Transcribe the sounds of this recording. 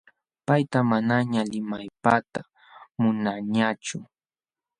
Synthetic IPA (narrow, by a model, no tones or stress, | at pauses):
pajt̪amanaɲalɪmajpat̪a | mʊnaɲat͡ʃʊ